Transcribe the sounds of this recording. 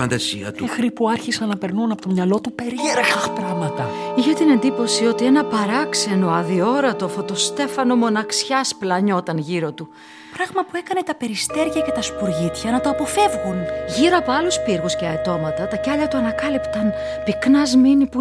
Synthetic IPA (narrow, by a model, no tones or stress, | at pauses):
fɐnd̪ɐsiɐ̰t̪ixɾipuaɾçisɐnːɐpe̞ɾnunɐpo̞t̪omɲɐlo̞t̪upeɾieɾeɐxpɾɐmɐt̪ɐiçet̪ine̞nd̪ipo̞sio̞t̪ie̞nɐpɐɾɐkse̞no̞ɐðio̞ɾɐt̪ofo̞t̪o̞st̪e̞fɐno̞mo̞nɐksçɐsplɐɲo̞t̪ɐnʝiɾo̞t̪u | pɾɐɣmɐpue̞kɐne̞t̪ɐpe̞ɾist̪e̞ɾʝɐce̞t̪ɐspuɾʝit̪çɐnɐt̪o̞ɐpo̞fe̞vɣunʝiɾoɐpoɐluspiɾɣusceɐt̪o̞mɐt̪ɐt̪ɐcɐʎɐt̪uɐnɐkɐlipt̪ɐn | piknɐzminipu